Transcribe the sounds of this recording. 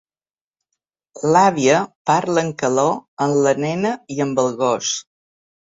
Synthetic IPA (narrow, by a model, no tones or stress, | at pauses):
laβiəpaɾləŋkəloənlənɛnəiəmbəlˠɣos